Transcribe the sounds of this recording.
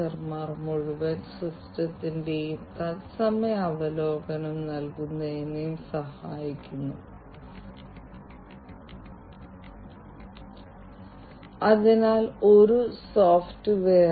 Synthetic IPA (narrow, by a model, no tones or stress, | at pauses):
ɐrmaːrmuɻiʋɐnsrustɐt̪ːinde̞jumt̪ɐtsɐmɐɐʋɐlo̞ːɡɐnɐmnɐlkunːɐenːejumsɐhaːjikʲːunːu | ɐðinaːlo̞ɾusoːftɨʋeː